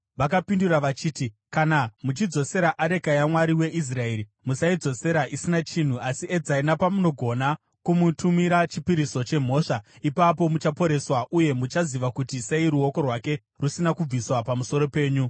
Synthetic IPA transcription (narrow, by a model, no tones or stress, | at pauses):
ʋakapinduraʋat͡ʃiːti | kanamut͡ʃid͡zo̞se̞ɾaʔaɾe̞kajamwaɾiwe̞ʔis̬rae̞ɾi | musaid͡zo̞se̞ɾaʔisinat͡ʃin̤uʔasied͡zainapamuno̞ɡʱo̞na | kumutʰumiɾat͡ʃipiɾiso̞t͡ʃe̞m̤o̞ːʂaipapo̞mut͡ʃapo̞ɾe̞swaʔuje̞mut͡ʃaziʋakutise̞iɾuo̞ko̞rwake̞ | rusinakub͡viswapamuso̞ɾo̞pe̞ːɲu